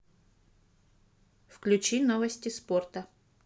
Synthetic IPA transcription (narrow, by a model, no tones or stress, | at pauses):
fklʲʉt͡ɕinovəsʲtʲɪsport̪ə